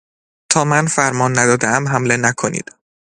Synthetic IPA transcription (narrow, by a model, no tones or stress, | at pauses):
t̪ʰɒːmænfæɾmɒːnːæd̪ɒːd̪eæmɦæmle̞nækʰonḭːd̪̥